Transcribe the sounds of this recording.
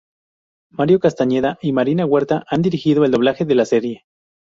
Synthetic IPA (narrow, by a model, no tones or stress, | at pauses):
maɾjo̞kast̪aɲe̞ðaʔimaɾinaɣwe̞ɾt̪aʔand̪iɾixiðo̞eld̪o̞β̞laxe̞ðe̞lase̞ɾje̞